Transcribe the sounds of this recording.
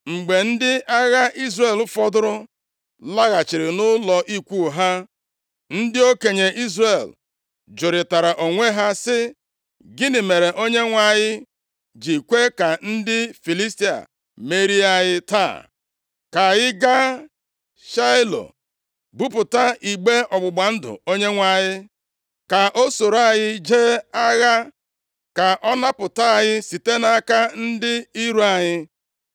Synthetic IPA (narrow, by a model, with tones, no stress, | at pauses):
ŋ͡m̩˨ɡ͡be˨n̩˦dɪ˦a˦ɣa˦ʔi˦zre˨l̩˦fɔ˦dʊ˦ɾʊ˦ | la˦ɣa˨t͡ʃi˨ɾɪ˨nʊ˦lɔ˨ʔi˦kʷu˦˨ɦa˦ | n̩˦dɪ˦o˦ke˨ɲe˨ʔi˦zre˨l | d͡ʒʊ˨ɾɪ˨ta˨ɾa˨ʔo˨ŋʷe˦ɦa˦sɪ˦ | ɡɪ˦nɪ˨me˨ɾe˨ʔo˦ɲe˦ŋʷa˨ɲɪ˦ | d͡ʒi˨kʷe˦ka˨n̩˦dɪ˦fi˨li˦sti˦a̰˨ | me˦ɾi˦a˦jɪ˦ta̰˦˨ | ka˨jɪ˦ɡa˦ | ʃa˦ɪ˦lo̰˨ | bu˦pʊ˨ta˦i˨ɡ͡be˦ɔ˨ɡ͡bʊ˨ɡ͡ba˨n̩˦dʊ̰˨o˦ɲe˦ŋʷa˨ɲɪ˦ | ka˨ʔo˦so˨ɾa˦˨ɲɪ˦d͡ʒe˦a˦ɣa˦ | ka˨ʔɔ˦na˦pʊ˨ta˦˨ɲɪ˦si˨te˦na˨˦ka˦n̩˦dɪ˦i˦ɾu˦a˨ɲɪ˦